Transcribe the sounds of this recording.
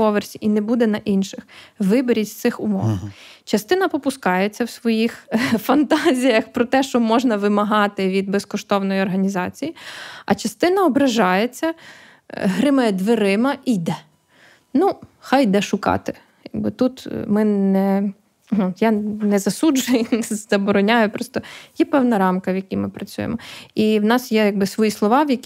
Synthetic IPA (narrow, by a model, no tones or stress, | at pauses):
ɔʋersʲiʔinɛbud̪ɛnɐʔinʃɪxʋɪbeɾʲitʲst̪sɪxʊmɔ̰ʋt͡ʃɐst̪ɪnɐpɔpʊskɑjet͡sʲːɐwsʋɔjixfɐnt̪ɑzʲijɐxpɾɔt̪ɛʃt͡ʃɔmɔʒnɐʋɪmɐɦɑt̪ɪʋʲid̪bɛskɔʃt̪ɔwnɔjiɔrɦɐnʲizɑt͡sʲijiɐ̰t͡ʃɐst̪ɪnɐɔbɾɐʒɑjet͡sʲːɐ | ɦɾɪmɐjɛd̪ʋeɾɪmɐʔijd̪ɛ | nuxɑjd̪ɛʃʊkɑ̰t̪ɪ̥ | jaɡ̚bɪt̪ut̪mɪnɛ | ɦ̩janɛzɐsud͡ʒʊjɛnɛzzɐbɔɾɔnʲajʊpɾɔst̪ɔjɛpɛwnɐɾɑmkɐwjɐkʲimɪpɾɐt͡sʲṵjḛmɔiwnɑsjɛjaɡ̚bɪsʋɔjislˠɔʋɑwjɐkʲ